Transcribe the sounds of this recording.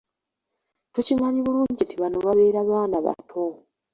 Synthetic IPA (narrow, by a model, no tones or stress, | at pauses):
tucimaɲiβuluːɲɟitiβano̞βaβe̞ːɾaβaːnaβa̰tʰo